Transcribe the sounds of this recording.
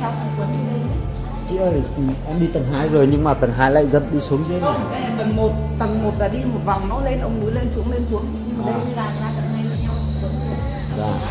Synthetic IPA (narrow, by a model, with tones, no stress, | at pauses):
sa˧˩wə˧˩kwə˨˦nɨ˧ɗe˧i˦ | t͡ɕḭ˧˨əː˧˩jʔɛ˧mɗi˧t̪ə˨˩ŋɦaː˧jzo˨˩jɲɨ˧ŋmaː˨˩t̪ə˨˩ŋɦaː˧jla̰ː˧˨jzə̰˧˨nɗi˧su˨˦əŋzə˧˦˧kaː˨˦jʔɛ˧˩mɓə˨˩nmo˨˩t̚t̪ə˨˩ŋmo˨˩t̚laː˨˩ɗi˧mo˨˩t̚va˨˩wŋ͡mnɔ˨˦le˧nʔə˧wŋ͡mnu˨˦jle˧nsu˨˦əŋle˧nsu˨˦əŋ˧ɲɨ˧mː˨˩ɗə˧˦jɨ˧zaː˨˩zaː˧˩t̪ə˨˩ŋha˧jlə˧˩ɲa˧wə˨˦n˧˩˨ | zaː˧˩